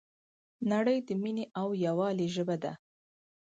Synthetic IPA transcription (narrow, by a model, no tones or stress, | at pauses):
naɽəjd̪əmineʔawjawɑleʒəbad̪a̰